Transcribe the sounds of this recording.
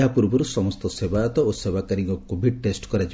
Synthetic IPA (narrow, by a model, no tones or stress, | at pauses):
apuɾbɔɾusɔmɔst̪ɔsebajɔt̪ɔosebakaɾiŋɡkɔkːubʱiʈesʈkɔɾad͡ʒi